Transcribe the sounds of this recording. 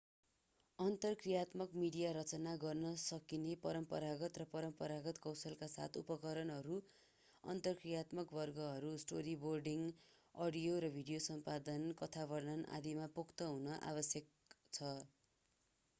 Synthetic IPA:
ʌnt̪ʌrkrijat̪mʌkmiɽijaɾʌt͡sʌnaɡʌrnʌsʌkinepʌɾʌmpʌɾaɡʌt̪rʌpʌɾʌmpʌɾaɡʌt̪kʌwsʌlkasa̰t̪ʰupʌkʌɾʌnɦʌɾu | ʌ̰nt̪ʌrkrijat̪mʌkbʌrɡʌɦʌɾusʈoɾiborɖiŋ | ʌɽijoɾʌbʱiɽijosʌmpad̪ʌnkʌt̪ʰabʌrnʌnʔa̰d̪imapokʰt̪ʌɦunʌʔa̰βʌsjʌk̚ | t͡sʰʌ

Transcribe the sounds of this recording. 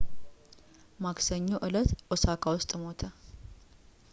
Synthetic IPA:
maksəɲːoʔɨlət̪ʔosakʰawʊst̪ʼmo̞t̪ʰə

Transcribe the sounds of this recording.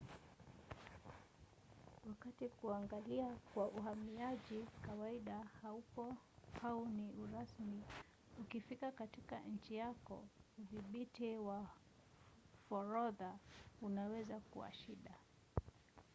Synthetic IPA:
wakatikuaŋɡaliakwaʔuhamiaʄikawaiɗahaukɔ | auniuɾasmi | ukifikakatikaɲ̩t͡ʃijakɔ̰uviɓitiwa | fɔɾɔðaunawɛzakṵwa̰ʃiɗa

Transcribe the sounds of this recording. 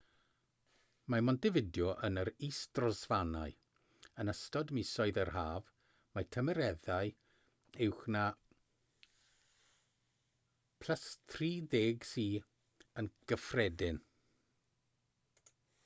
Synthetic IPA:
mamɔndɪvɪdjɔʔənəɾiːsd̥rɔzvanaɨ | ənəstɔdmɪsɔɨðərɦaːv | matʰəməɾɛðaj | ɪwχna | pʰl̥ˠasθʰriːðeːɡsiː | ənɡ̥əfrɛdɪn

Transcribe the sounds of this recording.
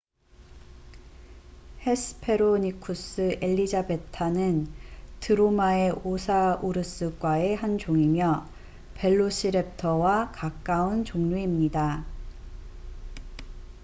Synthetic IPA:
he̞sʰɯ̥pʰe̞ɾoɲikʰus͈ʰɯʔe̞ʎːid͡ʑabe̞tʰanɯntɯɾomae̞osʰauɾɯs͈ɯk͈wae̞hand͡ʑoŋimjʌ | pe̞ɭːoɕʰiɾe̞p̚tʰʌwakak͈aunt͡ɕoŋɲuimɲida

